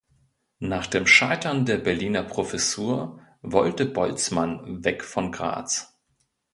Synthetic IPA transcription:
naːχd̥eːmʃaɪtɐndeːɐbɛɐliːnɐpʁ̥ofɛsuːɐ | vɔltəbɔlt͡smanvɛkfɔnɡʁa̰ːt͡s

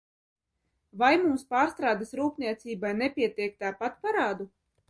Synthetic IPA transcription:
vajmumspaːɾst̪ɾaːd̪asɾuːpniɛt̪siːbajnɛpʲiɛt̪iɛk̚t̪aːpat̪paɾaːd̪u

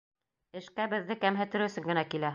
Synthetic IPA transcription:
ɘ̆ʃkæbɘ̆ðːɘkæmɦɘ̆t̪ɘ̆ɾɘ̆sɘŋɡɘ̆nækilæ

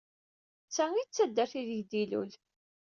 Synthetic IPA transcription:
t͡sːæit͡sːæd̪ːæɾθiðəʝd̪ilṵl

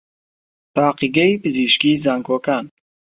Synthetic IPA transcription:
t̪aːqiɡɐipɨziʃkiːzaːŋkʰoːkaːn

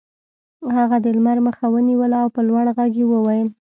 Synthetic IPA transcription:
haɣad̪əlmaɾməxawəniwəlaːwpəlwaɽɣaɡjewəwajəl

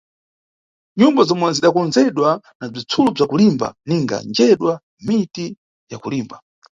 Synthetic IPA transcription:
ɲumbazɔmwɛziɗakɔnzɛɗwa | nab͡ʐit͡sʰulub͡ʐakulimba̰niŋɡa̰nd͡ʒɛɗwa | miti | jakuliːmba

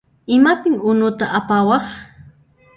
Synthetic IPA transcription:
ɪmapɪŋʊnʊt̪aʔapawɑχ

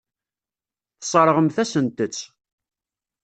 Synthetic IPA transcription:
θə̥sˤəɾˤəʁəmθæsənt̪ət͡sː

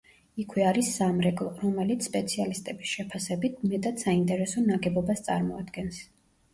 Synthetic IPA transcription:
ikʰwɛaɾisːamɾɛɡlˠɔɾɔmɛlit̪sspʼɛt̪sʰialist̪ʼɛbisʃɛpʰasɛbit̪ʰmɛt̪ʼat̪saint̪ʼɛɾɛsɔnaɡɛbɔbast̪sʼa̰ɾmɔa̰d̪ɡɛns

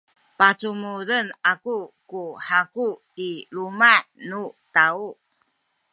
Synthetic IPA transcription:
pat͡sumuɾənakukuħaku | ilumanutau

